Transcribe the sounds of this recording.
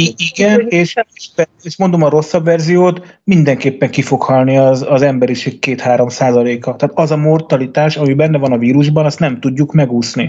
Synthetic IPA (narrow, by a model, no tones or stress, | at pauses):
iiɡɛneːʃeʃpɛ | eːʃmo̞nd̪o̞mɒɾo̞sːɒbʋɛrzijoːt̪mind̪ɛŋkeːpːɛŋkifo̞khɒlniɒzɒzɛmbɛɾiʃeːkkeːt̪haːɾo̞msaːzɒleːkɒt̪ɛːt̪ɒzɒmo̞rt̪ɒlit̪aːʃɒmibɛnːɛvɒnɒviːɾuʒbɒnɒst̪nɛmt̪uɟːukmɛɡuːsni